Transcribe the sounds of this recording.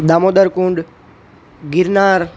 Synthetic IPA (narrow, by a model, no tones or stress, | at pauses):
ɗ̪aːmoːd̪əɾkũːɳɖ | ɡɪɾnaːɾ